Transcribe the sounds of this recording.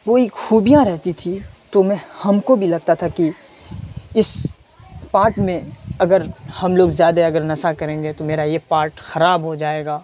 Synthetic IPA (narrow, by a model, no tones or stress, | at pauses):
ʋoeːkxuːbijãɾɛɦt̪it̪ʰit̪omɛ̃hɐmkobʱilɐɡt̪at̪ʰaki | ɪs | paːɾʈmẽɐɡəɾhɐmloːɡzjaːd̪aɐɡəɾnɐsakɐɾẽːŋɡet̪omeːɾajepaːɾʈxɐɾaːbɦod͡ʒaːeːɡaː